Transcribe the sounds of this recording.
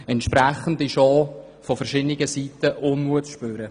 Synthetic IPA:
ɛntʃpɾæχən̩diʃɔː | fɔfəɾʃɪdnɪɡəsitːəʔʊnːuəsʃpøːɾə

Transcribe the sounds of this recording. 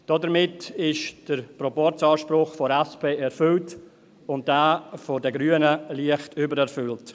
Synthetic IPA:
d̥ɔdəɾmɪtɪʃd̥əɾpɾɔpɔɾt͡sɑːʃpɾʊχfɔɾɛspeːɛɾfʏlt | ʊnt̚d̥aːfɔdəɡɾyənəliəχtʰʏbəɾɛɾfʏlt

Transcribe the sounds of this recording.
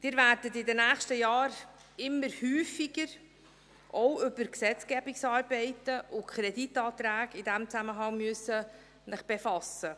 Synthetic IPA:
d̥ɪːɾvæɾdətɪdənæːχʃtəjɑːɾ | ɪmːəɾhyːfiɡəɾ | ʔɔwʏbəɾksɛt͡sɡ̥ɛbiksɑːɾbɛɪtəʔʊkʰχɾɛditɑːt̪ɾæːɡid̥æmt͡sæməɦɑŋmyøsːə | nəχb̥efɑsə

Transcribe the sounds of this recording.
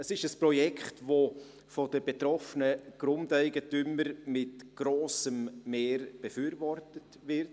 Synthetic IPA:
əsɪʃəspɾɔjɛkʰχtvo | fɔdəbetɾɔfənəɡ̥ɾʊmdæɪɡətyməɾmɪtɡ̥ɾoːsəmːeːɾb̥efyːɾvɔrtət | vɪɾt

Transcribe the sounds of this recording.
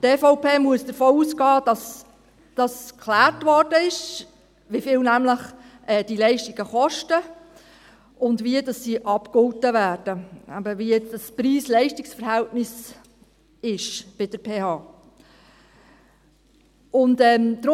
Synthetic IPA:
teːfoʊpeːmuəsd̥əɾfɔːuːsɡɑːd̥ɑs | d̥ɑskχlæːɾtʋɔrd̥əɪʃ | ʋifɪlnæmləχ | ɛːd̥ilɛɪʃtiɡ̥əχɔʃtə | ʊndviədɑsːiːʔɑpkʊwtəvæːɾd̥əæ̰bəʋijɛt͡sd̥ɑspɾiːslɛɪʃtɪksfəɾɦæltnɪs | ɪʃb̥ɪd̥əɾpʰeːhɑː | ʊntɛːmd̪ɾ

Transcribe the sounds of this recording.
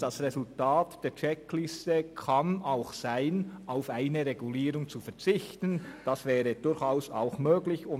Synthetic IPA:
d̥asʁɛzʊltaːtd̥eːt͡ʃɛkʰlɪstəkʰɑnaʊxsaɪnaʊfaɪnəɾɛɡuliːɾʊŋt͡sufɛʁt͡sɪçtənd̥ɑsvɛːɾəd̥ʊɾçaʊsa̰ʊxmøːɡlɪçʊ

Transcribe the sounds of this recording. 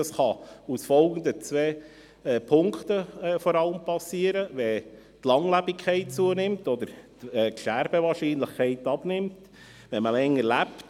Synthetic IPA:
ɑsχɑusfɔlˠɡənd̪ət͡sʋɛː | pʰʊŋkt̪əɛːfɔɾɑləmpɑsiːəɾəʋɛ | t̪lɑŋlæbɪkʰχɛɪt̚t͡suənɪmtɔd̥̪əɾtɛkʃæɾb̥əʋɑːɾʃiːnləχkʰɛɪtɑb̥nɪmt | ʋɛməlɛŋːəɾlæpt

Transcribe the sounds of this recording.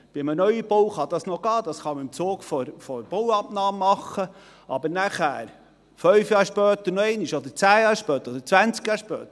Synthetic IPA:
b̥ɪmənœʏəb̥owχɑd̥̪ɑsnɔɡ̥ɑːd̪ɑsχɑməɪmt͡soːɡfɔɾfɔɾb̥owɑp̚nɑːmːɑχːə | ʔɑbəɾnæχæ̰ːɾ | fœɥfjɑːɾʃpœːt̪ənoɛɪnɪʃod̪əɾt͡sæːjɑːɾʃpœːt̪əɾɔd̪əɾt͡sʋænt͡skjɑːɾʃpœ̰ːt̪ə

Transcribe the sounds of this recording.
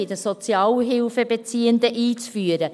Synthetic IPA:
ɪd̪əsɔt͡sjɑːlɦɪlfəbet͡siːənd̪əʔiːt͡sfyːəɾə

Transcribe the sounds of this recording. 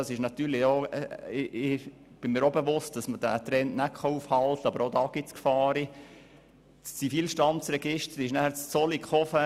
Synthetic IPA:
ɑsɪʃnɑt̪yːɾlɪoɪɪ | b̥ɪnmiːɾobəʋʊst̚d̥ɑsmədæt̪ɾɛntnækʰχɑufhɑlt̪ɑbəɾod̪ɑːɡ̥ɪt͡skfɑːɾi | st͡sifiːlʃtɑnt͡sɾɛɡ̥ɪʃtəɾɪʃnæhæɾt͡st͡sɔlikχɔfə

